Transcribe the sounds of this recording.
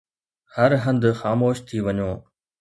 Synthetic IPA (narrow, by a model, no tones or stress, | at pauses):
hɐɾɦɐ̃nd̪xaːmoːʃt̪ʰiʋɐɲoː